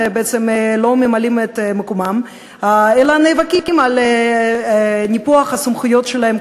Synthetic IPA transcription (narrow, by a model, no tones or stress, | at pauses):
beet͡semlo̞memalimet̪mekomam | aelanejvakikimal | nʲipoaχasumχujo̞t̪ʃelahem